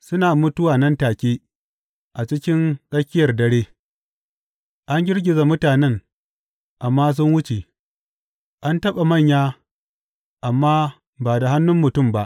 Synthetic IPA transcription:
sʊ˦naː˨mʊ˦tʊ˦waː˨nɐ˦ntaː˨kʲeː˦ | ʔa˨t͡ʃɪ˦kʲɪ˦ŋkʼɐ˦skʲɪ˦jɐ˨rdɐ˦ɽeː˦ | ʔa˦ŋɡʲɪ˦rɡʲɪ˨za˨mʊ˦taː˨nɛ˦ŋ | ʔa˨mːaː˦s̬ʊ˦nwʊ˦t͡ʃe˨ | ʔa˦ntɐ˦ɓa˨mɐ˦˨ɲjaː˦ | ʔa˨mːaː˦ | baː˨da˨ɦa˦nːʊ˦mːʊ˨tʊ˦˨mba˦ʔ

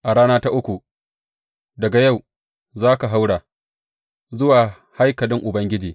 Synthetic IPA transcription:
ʔa˨ɽaː˦naː˦ta˦ʔʊ˦kʷu˨ | dɐ˨ɡa˨ja˦˨w | zaː˦ka˨ɦa˦wɽaː˨ | zʊ˦waː˨ | ha˦jkɐ˨lɪ˦ŋʔʊ˨bɐ˦ŋɡʲɪ˦d͡ʒiː˨

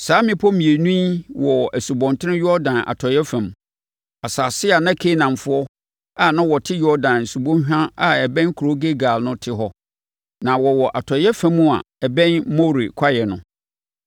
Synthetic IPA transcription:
saː˨˦mɪ̃˦pʰɔ˦mĩ˨e˨nũ˦i˦wɔ˨æ˨su˨bɔ̃˨ntʰɪ˦nɪ̃˦jɔ˦dã˨nʔa̰˨tʰɔ˨jɛ˦fæ̃˨m | a˨saː˨sɪ˦a˨nã˦kʰe˦nã˨mfʊ˦ɔ˦ | a˨nã˦wɔ˨tʰɪ˦jɔ˦dã˨nn̩˨su˨bõ˦ɕᶣã˦a˨ɛ˨bɛ̃˦nkʰu˨ɾo˦ɡe˦ɡa˨lnʊ̃˦tʰɪ˦ɦɔ˦ | nã˨wɔ˨wɔ˨ʔa˨tʰɔ˨jɛ˦fæ̃˦mːũ˦a̰˨ | ɛ˨bɛ̃˦nmo˦˨ɾḭ˨kʰa˦jɛ˨nʊ̃˦

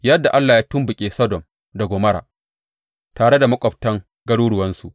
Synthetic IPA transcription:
jɐ˦dːa˨ʔa˦lːaː˨jaː˦tʊ˦mbʊ˨kʲʼeː˨sɔ˦dɔ˨m | dɐ˨ɡʷoː˨mɐ˦ɽa̰ː˨ | taː˨ɽe˦da˨mɐ˦kʷʼɔ˨p̚tɐ˦ŋ | ɡɐ˦ɽuː˦ɽʊ˨wɐ˦nsu˨ʔ

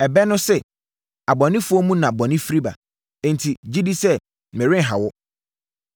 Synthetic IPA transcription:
ɛ˨bɛ˦nʊ̃˦sɛ˦ | a˨bɔ˨nɪ̃˦fʊ˦ɔ˦mũ˦nã˨bɔ̃˨nɪ̃˦fi˦ɾi˦ba̰˨ | ɛ̃˦ntʰi˨d͡ʑi˦di˦sɛ˦ | mɪ̃˨ɾɪ̃˦˨ɦa˨wɔ˦

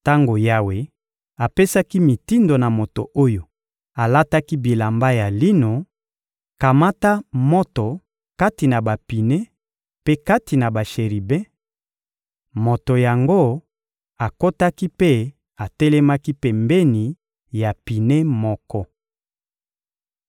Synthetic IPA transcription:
ta˦ŋɡo˨ja˦we˨ | a˨pe˦sa˦ki˦mi˨ti˦ndo˨na˨mo˨to̰˨ʔo˦jo˨ | a˨la˦ta˦ki˦bi˨la˨mba˦ja˨li˦no˨ | ka˨ma˦ta˦mo˦to˨ | ka˦ti˨na˨ba˨pi˨ne˦ | pe˦ka˦ti˨na˨ba˨ʃe˨ʁi˨bɛ̃˦ | mo˨to˨ja˨ŋɡo˦ | a˨ko˦ta˦ki˦pe˦ | a˨te˦lɛ˦ma˦ki˦pɛ˨mbɛ˦ni˨ | ja˨pi˨ne˦mɔ˦kɔ˦

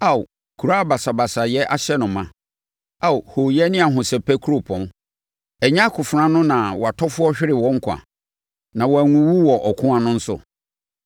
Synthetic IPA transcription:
a˦˨w | kʰu˨ɾa˦a˨ba˨sa˨ba˨sa˨jɛ˦ʔa˦ɕɛ˦nʊ̃˨mã˨ | a˦˨who˨jɛ˦nɪ̃˦a˨ɦʊ̃˨sɛ˨pʰɛ˦kʰu˦ɾo˨pʰɔ̃˨m | ɛ˨ɲã˦a˦kʰʊ˨fɾã˦nʊ̃˦nã˨wɔ˨a˨tʰɔ˦fʊ˦ɔ˦ɕᶣɪ˦ɾɪ˨wɔ̃˦ŋ̩˦kʰa̰˨ | nã˨wɔ˨æ˨ŋũ˨wu˦wɔ˨ʔɔ˨kʰʊ̃˦ã˦nʊ̃˦n̩˦sʊ̰˦˨

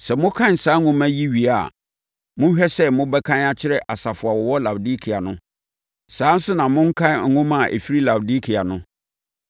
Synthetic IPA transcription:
sɛ˨mʊ̃˦kʰã˦n̩˨saː˨˦ŋʊ̃˦mæ̃˦ji˦ɥi˨a̰˨ | mʊ̃˦ɕᶣɛ˦sɛ˦mʊ̃˦bɛ˦kʰã˦na˦t͡ɕʰɪ˦ɾɛ˨ʔa˨sa˨fʊ˨a˨wɔ˨wɔ˦la˨bdi˦kʰi˨a˨nʊ̃˦ | sãː˨˦n̩˦sʊ˦nã˨mʊ̃˦ŋ̩˦kʰã˦n˨ŋ̩˨ŋʊ̃˦mã˦˨ʔḛ˨fi˦ɾi˦la˨bdi˦kʰi˨a˨nʊ̃˦

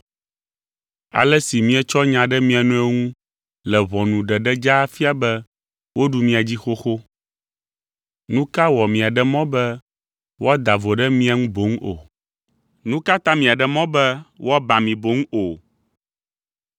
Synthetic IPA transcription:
a̰˨lɛ˦si˨mĩ˦ɛ˦t͡ʃɔ˦ɲã˨ɖɛ˦mĩ˦a˨nũ˦ɛ˦ŋũ˦ | lɛ˨βɔ̃˨nũ˨ɖɛ˨ɖɛ˦d͡ʒa˦fi˦a˨bɛ˦ | wo˦ɖu˦mĩ˦a˨d͡ʑi˦xo˦xo˦ | nũ˦ka˦wɔ˨mĩ˨a˨ɖɛ˦mɔ̃˦bɛ˦ | wo˦a˦d̪a˨vo˨ɖɛ˦mĩ˦a˨ŋũ˦bo˨˦ŋ˦o̰˨ | nũ˦ka˦t̪ã˦mĩ˨a˨ɖɛ˨mɔ̃˦bɛ˦wa˦ba˨mĩ˨bo˨˦ŋ˦o˨

